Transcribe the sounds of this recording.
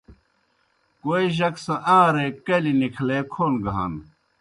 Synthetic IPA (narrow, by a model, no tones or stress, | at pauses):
koːiʑɐksɐ̃ʔãːɾekɐlinikʰleːkʰoːnɡʱa̰ːn